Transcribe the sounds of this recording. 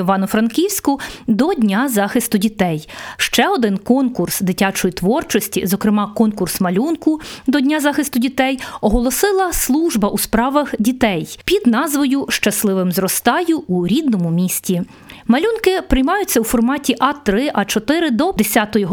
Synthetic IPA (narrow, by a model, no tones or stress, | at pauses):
ʋɑnʊfɾɐnkʲiwsʲkʊd̪ɔdʲnʲazɑxɪst̪ʊdʲit̪ɛjʃt͡ʃɛɔd̪ɪnkɔnkʊrsd̪ɪtʲat͡ʃɔjit̪ʋɔrt͡ʃɔsʲtʲḭzɔkɾɪmɑkɔnkʊrsmɐlʲunkʊd̪ɔdʲnʲazɑxɪst̪ʊdʲit̪ɛjɔɦɔlˠɔsɪlˠɐslˠuʒbɐʔuspɾɑʋɐxdʲit̪ɛjpʲid̪nɑzʋɔjʊʃt͡ʃɐslˠɪʋɪmzrɔst̪ɑjʊːɾʲid̪nɔmʊmʲisʲtʲi | mɐlʲunkɪpɾɪjmɑjʊt͡sʲːɐwfɔrmɑtʲiʔɑt̪ɾɪʔɐt͡ʃɔt̪ɪɾɪd̪ɔd̪esʲat̪ɔjɔɦ